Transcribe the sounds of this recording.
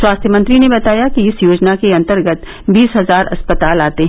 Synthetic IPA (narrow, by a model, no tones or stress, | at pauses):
swaːst̪ʰjəmɐ̃nt̪ɾinebɐt̪aːjakiɪsjoːd͡ʒnakeɐ̃nt̪əɾɡət̪ | biːsɦɐzaːɾɐ̰spət̪aːlaːt̪eɦ